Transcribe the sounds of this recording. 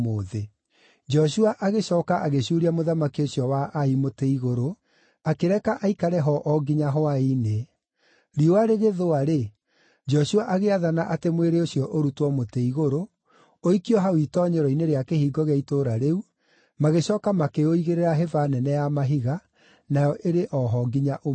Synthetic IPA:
moːðe | d͡ʒɔɕuaʔaɣeɕɔːkaʔaɣeɕuɾiamoðamakiosjɔwaʔaimoteiɣoɾo | akeɾɛkaʔaikaɾɛɦɔʔɔɡiɲaɦɔaine | ɾioaɾeɣeðoaɾe | d͡ʒɔɕuaʔaɣeaðanaʔatemweɾeosjɔʔoɾutwɔmoteiɣoɾo | oikiɔɦawitɔːɲeɾɔineɾeakehiːɡɔɣeaitoːɾaɾeu | maɣeɕɔːkamakeoiɣeɾeɾaɦevanɛnɛjamaɦiɣa | najɔʔeɾeʔɔɦɔɡiɲaʔo

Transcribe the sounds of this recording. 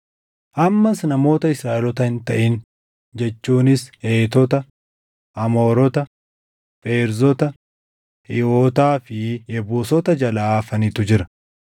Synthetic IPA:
ʔɐmːɐsnɐmo̞ːt̪ɐɪsɾaːʔɛlɔt̪ɐhɪnt̪ɐʔɪn | d͡ʒɛt͡ʃːuːnɪseːt̪ɔt̪ɐ | ʔɐmo̞ːɾɔt̪ɐ | fʼeːɾzɔt̪ɐ | hɪoːt̪aːfɪjɛbuːsɔt̪ɐd͡ʒɐlaːfɐnɪt̪ʊd͡ʒɪɾɐ

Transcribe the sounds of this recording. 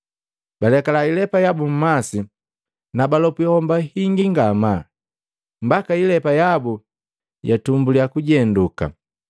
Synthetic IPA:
balɛkalailɛpajabum̩masi | nabalɔpuhɔmbahiŋɡiŋɡama | m̩bakailɛpajabu | jatumbulijakuɟɛnduka̰

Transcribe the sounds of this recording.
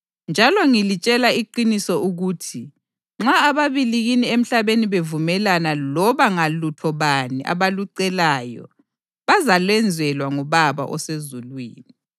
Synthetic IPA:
nd͡ʒʱalɔŋilit͡ʃʼɛlaiǃinisɔuɣuːtʰi | ŋ͡ǁaːβaβiliɣiniem̩ɬaβeniβevumɛlanalɔβaŋalutʰɔβaniʔa̰βaluǀɛlaːjɔ̰ | βazalwɛnd͡zʱɛlwaŋɔβaβa̰ʔɔsezulwḭːni

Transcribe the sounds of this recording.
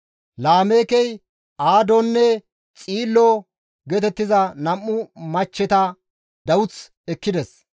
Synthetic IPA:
laːme̞ːkɛj | ʔaːd̪ɔnːɛ | t͡sʼiːlːɔ | ɡɛt̪ɛt̪ːɪzɐnɐmːʊmɐt͡ʃːɛt̪ɐ | d̪ɐwʊt͡s | ɛkːɪd̪ɛs

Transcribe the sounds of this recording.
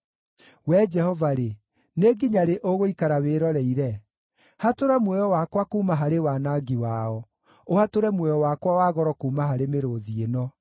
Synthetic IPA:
wɛd͡ʒɛhɔvaɾe | neɡiɲaɾeʔoɣoikaɾaweːɾɔɾɛiɾɛ | hatoɾamwɛjɔwakwakumaɦaɾewanaɡiwaɔ | ohatoɾɛmwɛjɔwakwawaɣɔɾɔkuːmaɦaɾemeɾoðienɔ

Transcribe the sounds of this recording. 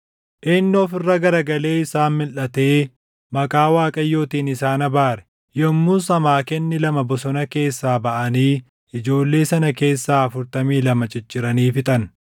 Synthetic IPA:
ʔɪnːɪɔfɪrːɐɡɐɾɐɡɐle̞ːɪsaːnmɪlʔɐt̪e̞ː | mɐkʼaːwaːkʼɐjːo̞ːt̪iːnɪsaːnɐbaːɾɛ̥ | jɔmːuːsɐmaːkɛnːɪlɐmɐbɔsɔnɐke̞ːsːaːbɐʔɐniː | ɪd͡ʒo̞ːlːe̞ːsɐnɐke̞ːsːaːɐfʊɾt̪ɐmiːlɐmɐt͡ʃʼɪt͡ʃːɪɾɐniːfɪt̪ʼɐn

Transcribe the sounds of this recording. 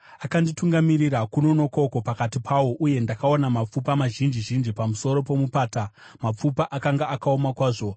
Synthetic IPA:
akandituŋɡamirirakuno̞no̞kouko̞pakatipʰawo̞ʔuje̞ndakaonamap͡fupamaʒind͡ʒiʒind͡ʒipamuso̞ɾo̞po̞mupaːta | map͡fupaʔakaŋɡaʔakaomakwaːʐo̞

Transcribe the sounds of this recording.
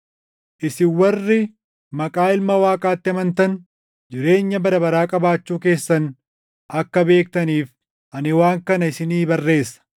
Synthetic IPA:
ʔɪsɪwɐrːɪ | mɐkʼaːɪlmɐwaːkʼaːt̪ːɪɐmɐnt̪ɐn | d͡ʒɪɾe̞ːɲːɐbɐd̪ɐbɐɾaːkʼɐbaːt͡ʃːuːke̞ːsːɐn | ɐkːɐbe̞ːk̚t̪ɐniːf | ʔɐnɪwaːŋkɐnɐɪsɪniːbɐrːe̞ːsːɐ̥

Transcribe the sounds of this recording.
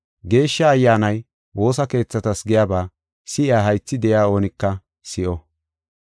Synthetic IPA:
ɡe̞ːʃːɐːjːaːnɐj | wo̞ːsɐke̞ːt͡sːɐt̪ɐsɡɪjaːbaː | sɪʔɪaːɦɐjt͡sːɪd̪ɛjaːo̞ːnɪkːɐ | sɪʔɔ

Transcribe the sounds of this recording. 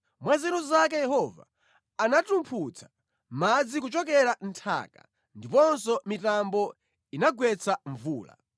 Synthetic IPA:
mwazɛnuzak̬ɛjɛhɔva̰ː | natumpʰut͡sʰḁ | mad͡zik̬ut͡ʃɔk̬ɛɾantʰa̰ːka̰ | ndipɔnsɔmitambɔ | inaɡwɛt͡sʰaɱvuːla̰

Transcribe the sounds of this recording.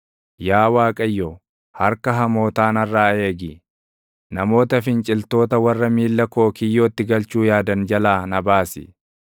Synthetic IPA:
jaːwaːkʼɐjːo | hɐɾkɐɦɐmo̞ːt̪aːnɐrːaːe̞ːɡɪ | nɐmo̞ːt̪ɐfɪnt͡ʃʼɪlt̪o̞ːt̪ɐwɐrːɐmiːlːɐkoːkɪjːoːt̪ːɪɡɐlt͡ʃuːjaːd̪ɐnd͡ʒɐlaːnɐbaːsɪ̰

